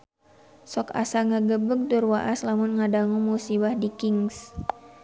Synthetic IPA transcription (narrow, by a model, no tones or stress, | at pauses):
sɔka̰saŋaɡəbək̚durwaʔaslamʊnŋadaŋumusibahdikɪŋs